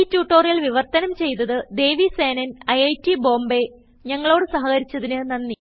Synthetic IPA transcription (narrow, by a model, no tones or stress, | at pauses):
tːuːʈːoːrijɐlʋiʋɐrt̪ɐnɐmt͡ɕe̞jt̪ɐðɨd̪e̞ːʋiseːnɐnɐjɐjtːibo̞ːmbe̞ | ɲɐŋːɐɭo̞ːɽɨsɐɦɐɣɐɾit͡ɕːɐðinɨnɐnːi